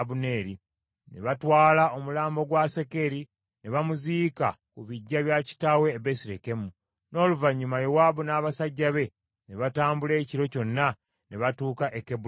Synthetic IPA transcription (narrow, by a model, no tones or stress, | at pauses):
bune̞ːɾi | ne̞̰βatwaːlao̞mulaːmbo̞ɡwase̞ke̞ɾi | ne̞βamuziːka̰kuβiɟːaβjaci̥tawe̞ːβesiɾeke̞mu | no̞ːluvaɲːumajowabunaːβasaɟːaβe̞ | ne̞βataːmbule̞ːciɾo̞co̞nːa | ne̞βatuːkaʔekebu